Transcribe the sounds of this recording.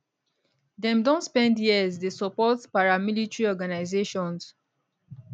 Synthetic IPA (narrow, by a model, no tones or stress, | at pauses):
dɛ̃mdɔ̃nspɛ̃ndjizdesɔpɔtpaɹamilitɹiɔɡanaɪzeʃɔ̃ns